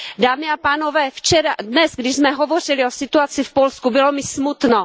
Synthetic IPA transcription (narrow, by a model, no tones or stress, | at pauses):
daːmɪapaːnovɛːft͡ʃɛɾadnɛzɡdɪʒzmɛɦovor̝ɪlɪosɪt̪uat͡sɪfpo̞lskubɪlo̞mɪsmut̪no